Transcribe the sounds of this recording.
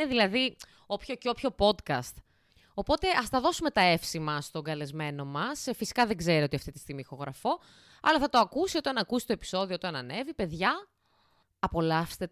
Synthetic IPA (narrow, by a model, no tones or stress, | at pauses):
eðilɐði | o̞pçoceo̞pço̞po̞d̪kɐst̪ | o̞po̞t̪e̞ʔɐst̪ɐðo̞sume̞t̪ɐe̞fsimɐst̪o̞ŋɡɐle̞zme̞no̞mɐsfisi̥kɐðeɡze̞ɾio̞t̪iɐft̪it̪i̥st̪iɣmixo̞ɣɾɐfo̞ | ɐ̰lɐθɐt̪o̞ɐkusiot̪ɐnɐkusi̥t̪oepi̥so̞ðioot̪oɐnɐne̞vipe̞ðʝɐ | ɐpo̞lɐfst̪e